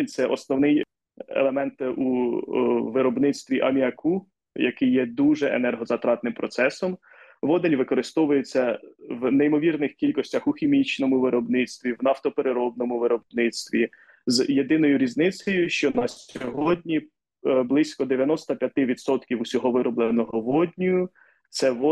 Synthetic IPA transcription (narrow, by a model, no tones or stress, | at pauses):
t̪sɛʔɔsnɔwnɪj | ḛlˠemɛnt̪u | ʋɪɾɔbnɪt̪st̪ʋʲiʔɐmʲiɐku | jɐkɪjːɛd̪uʒɛʔḛnɛrɦɔzɐt̪ɾɑt̪nɪmpɾɔt̪sɛsɔm | ʋɔd̪enʲʋɪkɔɾɪst̪ɔʋʊjet͡sʲːɐʋneimɔʋʲirnɪxkʲilʲkɔsʲtʲɐxʊxʲimʲit͡ʃnɔmʊʋɪɾɔbnɪt̪st̪ʋʲiʋnɑft̪ɔpeɾeɾɔbnɔmʊʋɪɾɔbnɪt̪st̪ʋʲi | zje̞d̪ɪnɔjʊɾʲiznɪt͡s̪ʲɔjʊʃt͡ʃɔnɐsʲɔɦɔdʲnʲi | blˠɪsʲkɔd̪eʋʲjɐnɔst̪ɐpʲjɐt̪ɪʋʲid̪sɔt̪kʲiwusʲɔɦɔʋɪɾɔblˠenɔɦɔʋɔdʲnʲijʊ | t̪sɛʋɔ